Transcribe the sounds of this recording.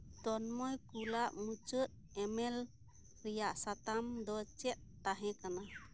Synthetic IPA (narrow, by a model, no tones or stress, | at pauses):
t̪ɔnmɔjkulaʔmut͡ʃət̪̚ | ɛmɛl | ɾijaʔsat̪amd̪ɔt͡ʃɛt̪̚t̪aɦɛ̃kana